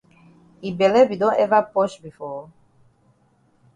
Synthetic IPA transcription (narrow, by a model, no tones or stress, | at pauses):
ibɛlɛbidɔ̃nɛvapɔʃbifɔ